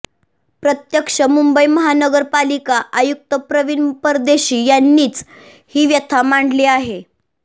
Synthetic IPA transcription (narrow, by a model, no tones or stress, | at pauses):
pɾət̪jəkʂəmumbəjməɦanəɡəɾpalikaʔajuk̚t̪əpɾəʋinpəɾd̪eɕiːjanːiːt͡s | hiːʋjət̪ʰamaɳɖleaɦe